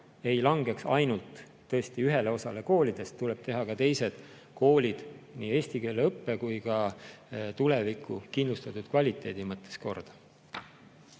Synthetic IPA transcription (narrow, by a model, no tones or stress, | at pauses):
e̞jlɑŋɡe̞ksɑjnult̪ː | ɤest̪iyɦe̞le̞o̞sɑle̞ko̞ːlid̪̥e̞st̪ːule̞b̥̚t̪e̞ɦɑkɑt̪e̞jse̞d̪̥ | ko̞ːlʲid̪̥niːe̞ːst̪ike̞ːleɤpːe̞kujkɑ | t̪ule̞vikʰːˑṵkind̪lust̪ɑt̪ːˑud̪̥kvɑlʲit̪ːˑe̞ːd̪̥imɤt̪ːˑe̥sko̞̰rd̪̥ɑ̥